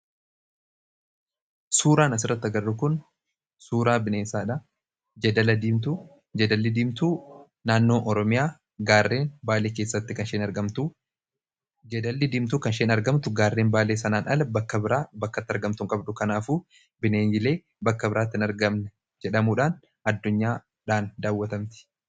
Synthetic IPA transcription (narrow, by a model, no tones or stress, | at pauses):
suːɾaːnɐs̬ɪrːɐt̪ːɐɡɐrːʊkʊn | suːɾaːbɪneːnsaːᶑa | d͡ʒɛd̪ɐlɐd̪iːmt̪u | d͡ʒɐd̪ɐlːɪd̪iːmt̪uː | naːnːo̞ːʔɔɾɔmɪjaː | ɡaːrːeːnbaːle̞ːkeːsːɐt̪ːɪkɐnʃeːnɐɾɡɐmt̪u | d͡ʒɛd̪ɐlːɪd̪iːmt̪uːkɐnʃeːnɐɾɡɐmt̪ʊɡaːrːe̞ːnbaːle̞ːsɐnaːnʔɐlɐbɐkːɐbɪɾaːbɐkːɐt̪ːɪɐɾɡɐmt̪ʊŋkʼɐbᶑʊkɐnaːfuː | bɪneːnjɪle̞ː | bɐkːɐbɪɾaːt̪ːɪnɐɾɡɐmnɛ | d͡ʒɛᶑɐmuːᶑaːn | ɐd̪ːʊɲːaː | ᶑaːnd̪aːwːɐt̪ɐmt̪ɪ̥